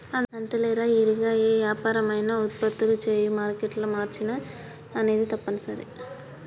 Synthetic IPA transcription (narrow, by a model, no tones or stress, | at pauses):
ɐnɐnt̪ɐleːɾaːɪɾɯɣaːjeːʋjaːpaːɾɐmaːjnaːʊt̪̚pɐt̪ːɯlɯt͡ʃejũmaːɾkeʈːɪlɐmaːɾt͡ʃːɪnɐ | ɐneːðɯt̪ɐpːɐnɯsɐɾḭ